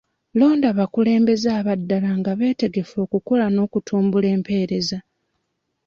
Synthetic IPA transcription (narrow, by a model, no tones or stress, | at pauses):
lo̞ːndaβakule̞ːmbe̞zaːβadːalaŋɡaβe̞ːte̞ɡe̞fo̞ːkukolano̞ːkutʰuːmbule̞ːmpe̞ːɾe̞za